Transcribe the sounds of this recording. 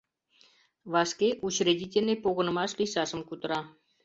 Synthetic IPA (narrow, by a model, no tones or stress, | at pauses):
ʋɑskʲeʔut͡ɕrʲedʲitʲelʲnʲepoɣɤ̆nɤ̆mɑʂlʲisɑʂɤ̆mkut̪ɾɑ